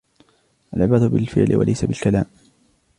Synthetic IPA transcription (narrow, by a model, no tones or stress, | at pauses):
ʔalʕɪbaːd̪ʊbɪlfɪ̰ʕlɪwa̰lajsabɪlkalaːm